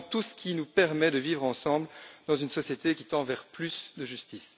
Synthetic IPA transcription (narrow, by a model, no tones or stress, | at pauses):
t̪usə̥kʲinupɛʁmɛd̪əvivʁɑ̃sɑ̃bld̪ɑ̃zynsɔsjet̪ek̬ʲit̪ɑ̃vɛʁplysd̪əʒyst̪is